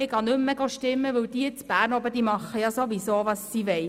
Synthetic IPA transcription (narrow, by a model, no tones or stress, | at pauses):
ɪɡɑnɵmːəɡoʃtɪmːəʋɵwd̥̪it͡sb̥æːɾnobəd̥iːmɑχːəjɑsoʋisoːʋɑsːiːʋɛɪ